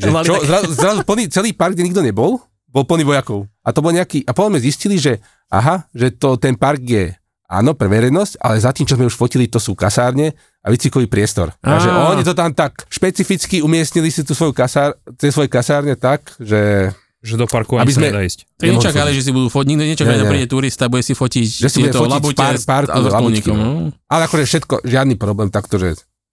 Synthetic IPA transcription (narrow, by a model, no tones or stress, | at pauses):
ʒɛlt͡ʃɔzɾazuzɾazupl̩ˠniːt͡sɛliːpaɾɡɟɛɲiɡd̪ɔɲɛbɔl | bɔlˠpl̩niʋɔjakɔʊʔat̪ɔbɔlɲɛakiːʔapɔt̪ɔmɛzisciliʒɛ | ʔa̰ɦaʒɛt̪ɔt̪ɛnpaɾɡjɛ | a̰ːnɔpɾɛʋɛɾɛnɔsca̰lɛzat̪iːmt͡ʃɔzmɛuʃfɔcilit̪ɔsuːkasaːɾɲɛ | a̰ʋit͡sikɔʋiːpɾɪɛst̪ɔ̰ɾaʒɛʔɔɲɛt̪ɔt̪amt̪akʃpɛt͡sifit͡skiumɪɛsɲilisit̪uːsʋɔjukasaːɾt͡sɛsːʋɔjɛkasaːɾɲɛt̪akʒɛ | ʒɛd̪ɔpaɾkuaabizmɛɛd̪aisc̪ɛɲɛt͡ʃakaliʒɛs̬ibud̪uːfɔt̪ɲiknɲɛt͡ʃakɛaliɛɛpɾiɛt̪uːɾist̪abuɟɛsifɔcicʒɛsibuɛɟɛfɔlipɛpaɾklabukiʔalɛakɔʒɛfʃɛt̪kɔ̰ʒɪad̪niːpɾɔblɛːmt̪akt̪ɔʒɛ̰